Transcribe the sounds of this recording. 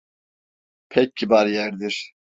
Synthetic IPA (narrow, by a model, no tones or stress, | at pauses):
pʰɛc̚ːibaɾjæɾd̪iɾ̥